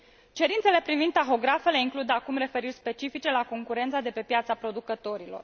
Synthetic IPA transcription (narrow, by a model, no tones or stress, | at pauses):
t͡ʃe̞ɾint̪se̞le̞pɾivind̪ːaxo̞ɡɾafe̞le̞iŋklud̪akumre̞fe̞ɾirʲspe̞t͡ʃifit͡ʃe̞lako̞ŋkuɾe̞nt̪sad̪e̞pe̞pjat̪sapɾo̞d̪ukət̪o̞ɾilo̞̰r